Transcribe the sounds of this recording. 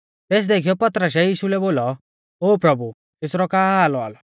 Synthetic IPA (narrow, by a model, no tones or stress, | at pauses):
t̪eːs̬d̪eːkʰijɔpɐt̪ɾəs̬ɛjiːʃulɛboːlɔ | oːpɾɐbu | t̪ɪsɾɔkaːaːlɔa̰ːlɔ